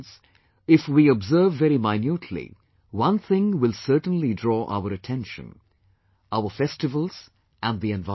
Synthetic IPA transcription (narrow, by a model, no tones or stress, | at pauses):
z | ɪfwiɔbzɜ˞vːɛɾimaɪnjutʰlḭ | wʌ̃nθɪ̃ŋwɪlˠsɜ˞tn̩lidɹɔːʔa̰ʊəɾɨtʰɛ̃nʃə̰̃n | aʊə˞fɛstɨvəl̩ˠz̥ | ʔɨ̃nðiɛ̃nva